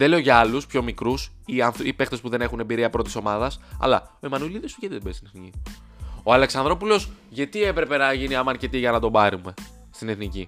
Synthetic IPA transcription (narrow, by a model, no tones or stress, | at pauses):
ðele̞o̞ʝɐɐluspço̞mikɾus | iɐnθipe̞xt̪e̞spuðe̞ne̞xunembiɾiɐpɾo̞t̪iso̞mɐðɐsɐ̰lɐo̞imɐnuliðisfiʝɐt̪iðbeist̪ineθnici | o̞ɐle̞ksɐnðɾo̞pulo̞sʝɐt̪ie̞pɾe̞pe̞nɐʝiniɐmɐɾce̞t̪iʝɐnɐt̪o̞bɐɾume̞ | st̪ine̞θnici